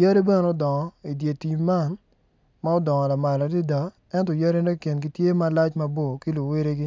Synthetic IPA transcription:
jɛ˦ɾe˦bɛ˦n˦o˦dɔ˨ŋɔ˨i˨dje˨ti˨ma˦˨n | ma˦o˦dɔ˨ŋɔ˨la˨ma˨la˨di˦da˨ | ɛ˦ntɔ˨ja˦ɾe˦ne˦ke˨nɡi˨tje˦ma˨˦la˦t͡ʃma˦bo˦˨ki˦lu˨we˦ɾe˦ɡɪ˦

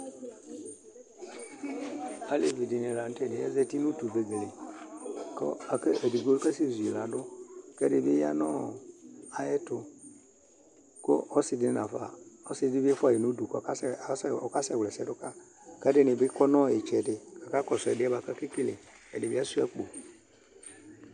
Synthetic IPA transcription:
a˨˦le˦˨vi˨di˨ni˨la˨n˦tdɪ˨˦ɛ˦zɛ˦ti˦nu˦tu˨be˨ɡe˨le˨ | kɔ̰˦a˨ke˦ʔe˨di˨ɡo˦lka˦si˦˨zu˨i˨la˨dʊ˦kɛ˦dɪ˨bɪ˦a̰˦nɔ˦ | a˨˦jɛ˦tʊ˦ | kɔ̰˦ʔɔ˦sɪ˦dɪ˦nã˨fa̰˨ɔ˦sɪ˦dɪ˦bɛ˦fa˦˨ji˨nu˦du˨kɔ˦a˦ssɔ˨ka˦sɛ˨wlɛ˨sɛ˦dʊ˦ka˦ | kɛ˦dɪ˦nɪ˨bɪ˦kɔ˦nɔ˦˨e˨t͡ʃɛ˨dɪ˨ka˨ka˦kɔ˨sʊ˨ɛ˨dɪ˨˦a˦ba˨ka˦ki˦ki˦le˨ | ɛ̰˨dɪ˨i˦a˦su˦a˦k͡po˨

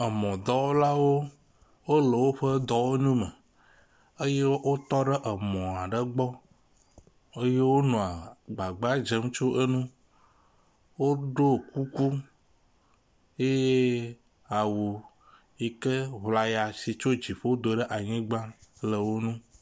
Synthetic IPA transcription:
ə˨mɔ̃˨d̪ɔ˦wo˦la˦wo˦ | wo˦lə˨wo˦ɸə˦d̪ɔ˦wo˦nũ˦mə˨ | ə˦je˦wo˦t̪ɔ˦ɖə˦ʔə˨mɔ̃˨a˨ɖə˦ɡ͡bɔ˦ | ə˦je˦wo˦nɔ̃˨a˨ɡ͡ba˨ɡ͡ba˦d͡ʒe˦m˦t͡ʃo˦ʔə˦nũ˦ | wo˦ɖo˦˨ku˦ku˦ | je˦je˦ | a˨wu˨ | i˦kə˦βla˨ja˨si˨t͡ʃo˦d͡ʒi˨ɸe˦wo˦d̪o˨ɖə˦ʔa˨ɲĩ˦ɡ͡bã˦lə˨wo˦nũ˦

